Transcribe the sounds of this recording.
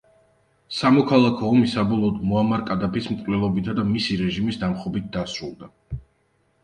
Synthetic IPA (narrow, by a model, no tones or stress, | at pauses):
samɔkʰalˠakʰɔːmisabɔlˠɔːd̪mɔamaɾkʼad̪apʰismkʼlɛlˠɔbit̪ʰad̪amisiɾɛʒimisd̪amχɔbit̪̚ʰd̪asɾulˠd̪a